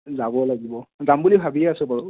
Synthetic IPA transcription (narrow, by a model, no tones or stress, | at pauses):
zabɔlaɡibɔzambulibʱabiɛasɛpaɹu